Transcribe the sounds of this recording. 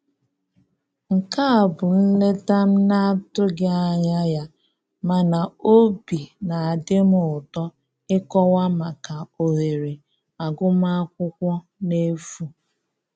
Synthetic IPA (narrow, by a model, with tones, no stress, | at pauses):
ŋ̩˨ka˦a˨bʊ˨n̩˦le˦ta˦m̩˦na˦tʊ˦ɡɪ˦a˦ɲa˦ja˦ | ma˨na˨o˦bi˨na˨a˨dɪ˦m̩˦ʊ˨tɔ˦ | ɪ˦kɔ˦wa˦ma˨ka˨o˨ɦe˨ɾe˨ | a˨ɡʊ˦m˦a˦kʷʊ˦kʷɔ˦ | ne˦fu˦